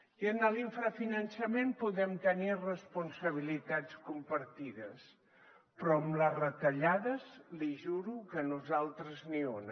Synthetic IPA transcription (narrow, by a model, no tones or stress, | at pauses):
iənəliɱfɾafinənsəmempuðɛmt̪ənirəspunsəβ̞ilit̪at͡skumpəɾt̪iðəs | pɾɔəmlərət̪əʎaðəzliʒuɾukənuzalˠt̪ɾəznion